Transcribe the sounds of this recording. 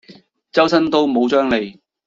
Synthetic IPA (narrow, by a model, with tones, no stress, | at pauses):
t͡sɐ˥wsɐ˥nt̪o˥wmo˨˧wt͡ʃœː˥ŋle˨˧j